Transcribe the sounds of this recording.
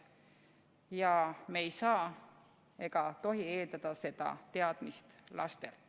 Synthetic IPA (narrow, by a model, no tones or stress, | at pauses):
jɑmeːjsɑː | e̞ɡ̥ɑt̪o̞ɦie̞ːld̪ɑd̪̥ɑse̞d̪̥ɑ̰t̪eɑd̪̥mist̪lɑ̰st̪e̞l